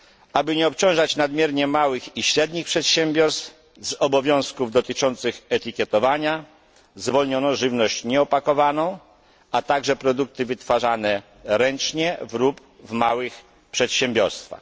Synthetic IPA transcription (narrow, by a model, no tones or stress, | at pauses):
abɘɲɛɔpt͡ɕɔ̃w̃ʐat͡ɕnad̪mʲjɛɾɲɛmawɘxiɕɾɛd̪ɲixpʂɛt̪ɕɛmbʲjɔɾst̪f | zɔbɔvʲjɔ̃w̃skuvd̪ɔt̪ɘt͡ʂɔnt̪sɘxɛt̪ikʲjɛt̪ɔvaɲa | zvɔlɲɔnɔʐɘvnɔɕt͡ɕɲɛɔpakɔvanɔ̃w̃ | at̪aɡʐɛpɾɔd̪uk̚t̪ɘvɘt̪faʐanɛ | ɾɛnt͡ʂɲɛvɾup | vmawɘx | pʂɛt̪ɕɛmbʲjɔɾst̪fa̰x